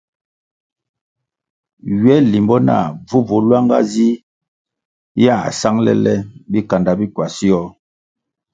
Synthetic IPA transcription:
ɥɛ˦li˨mbɔ˦na̰˦˨vu˦vo˨˦lwa˦ŋɡa̰˦zi˦ | ja˦˨a̰˨sa˦ŋlɛ̰˦lɛ˦bi˦ka˨nda˨bi˦kwa˨si˦ɔ˦

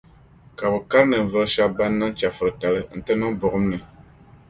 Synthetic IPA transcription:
ka˨bɨ˨ka˦ɾnɨ˨ɱ̩˨vɨ˦lʃa˦bba˦nːa˦nt͡ʃa˨fɨ˨ɾɨ˨ta˨lɨ˦n̩˨tɨ˦nɨ˦bʊ˨ʔʊ˦mnɨ˨

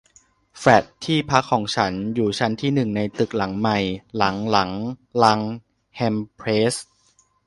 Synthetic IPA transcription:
fɾɛ˨˩t̪ʰːiː˥˩pʰa˦˥kʰːɔː˩˦ŋt͡ɕʰa˦˥njuː˨˩t͡ɕʰa˦˥nt̪ʰiː˥˩nɯ˨˩ŋna˧jt̪ɯ˨˩k̚la˩˦ŋma˨˩jla˩˦ŋla˩˦ŋla˦˥ŋ | hɛ˧mpʰɾeː˦˥s

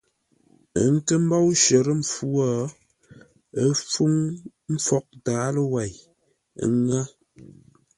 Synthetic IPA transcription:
ə˨ŋ̩˦kə˦m̩˦ba˦wʃə˨ɾə˦m̩˨fu˦ɔ˦˨ | ə˦fu˦ŋ | m̩˦fɔ˦k̚daː˨˦lə˦wa˨j̰ | ŋa˦

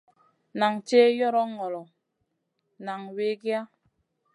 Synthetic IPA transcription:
na˨ŋt͡ʃeː˦jɔ˦ɾɔ˦ŋɔ˨lɔ˨ | na˨ŋwe˦ɡja˦

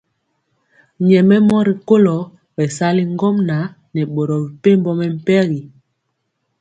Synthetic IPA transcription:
ɲɛ˨mɛ˦mɔ˦ɾi˨ko˦lɔ˨˦ | bɛ˨sa˦li˦ŋ˦ɡɔ˦mna˨˦ | nɛ˨ɓo˨ɾɔ˨bi˨pe˦m˦bɔ˦mɛ˨m̩˦˨pɛ˦ɣi˨

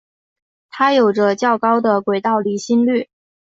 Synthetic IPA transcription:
t̪ʰa˥jo˨˩ʊʈ͡ʂə˦t͡ɕjɑ˥˩ʊkɑ˥ʊd̪ə˨kwe˨˩ɪt̪ɑ˥˩ʊli˧˥ɕi˥nly˥˩

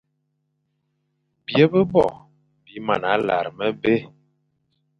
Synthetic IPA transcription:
bjə˦bə˦bɔ̰˨ | bi˨˦ma̰˨na˨˦la̰˨ɾmə˦be˦

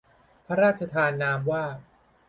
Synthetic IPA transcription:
pʰa˦˥ɾaː˥˩t̪̚t͡ɕʰa˧t̪ʰaː˧nːaː˦˧mwaː˥˩

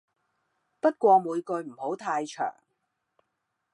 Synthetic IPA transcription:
pɐ˥t̚kʷɔː˧muː˨˧jkɵ˧ɥm̩˨˩ho˨˥wt̪ʰaː˧jt͡ʃʰœ̰ː˨˩ŋ

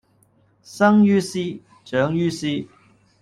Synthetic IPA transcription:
sɐ˥ŋjy˥si˥ | ʈ͡ʂœ˨˥ŋjyː˥si˥

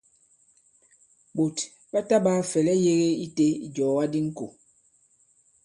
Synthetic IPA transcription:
bo˨t | ba˦ta˦baː˦fɛ˨lɛ˦je˦ɣe˦i˦te˦ḭ˨d͡ʒɔː˨wa˦di˦ŋ̩˦ko̰˨

